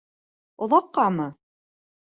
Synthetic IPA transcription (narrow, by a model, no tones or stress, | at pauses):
ŏlˠɑqːɑmɤ